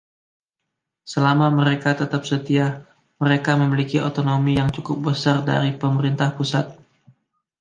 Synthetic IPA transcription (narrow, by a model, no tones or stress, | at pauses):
səlamaməɾekat̪ət̪ap̚sət̪iah | məɾekaməmilikiot̪onomijaŋt͡ʃukʊp̚bəsarda̰ɾipəməɾint̪ahpusat̪̚